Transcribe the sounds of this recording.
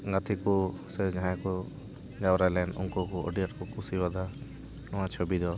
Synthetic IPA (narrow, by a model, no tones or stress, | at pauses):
ɡat̪ʰikɔsɛd͡ʒaɦãkɔ | d͡ʒawɾalɛnṵŋkɔkɔɔ̰ɖijaʈkɔkʰusibad̪a | nɔ̃wãt͡ʃʰobid̪ɔ